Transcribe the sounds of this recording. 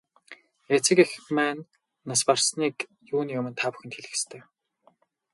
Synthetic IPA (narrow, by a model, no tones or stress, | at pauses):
et͡sɘ̆kixmæːnː | asparsniːk | juːniːɵmɘ̆nt̪ʰaːpu̥xɘ̆nt̪xeɮɘ̆xst̪ʰeː